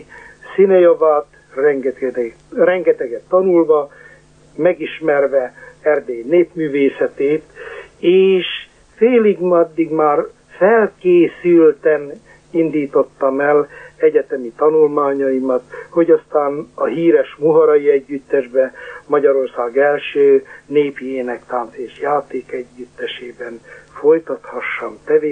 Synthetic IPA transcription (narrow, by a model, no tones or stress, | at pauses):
sinɛjovaːt̪ | rɛ | rɛŋɡɛt̪ɛɡɛt̪ːɒnulvɒ | mɛɡiʃmɛrvɛɛrd̪eːjneːpmyːveːsɛt̪eːt̪eːʃ | feːliɡmɒd̪ːiɡmaːr | fɛlkeːsylt̪ɛn | ind̪iːt̪o̞t̪ːɒmɛlɛɟɛt̪ɛmit̪ɒnulmaːɲɒimɒt̪ho̞ɟɒst̪aːnɒɦiːɾɛʃmuɦɒɾɒjiɛɟːyt̪ːɛʒbɛmɒɟɒɾo̞rsaːɡɛlʃøːneːpijeːnɛkt̪aːnseːʃjaːt̪eːkɛɟːyt̪ːɛʃeːbɛnfo̞jt̪ɒt̪hɒʃːɒnt̪ɛveː